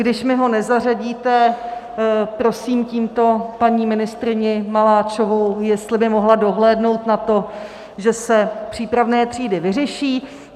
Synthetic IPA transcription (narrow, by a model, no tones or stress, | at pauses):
ɡdɪʃmɪɦo̞nɛzaraɟiːt̪ɛ | pɾo̞siːmciːmt̪o̞paɲiːmɪnɪst̪ɾɪɲɪmalaːt͡ʃovowjɛst̪lɪbɪmo̞ɦlado̞ɦlɛːdno̞wt̪nat̪o̞ | ʒɛsɛpr̝̥iːpɾavnɛːt̪r̥iːdɪvɪrɛʃiː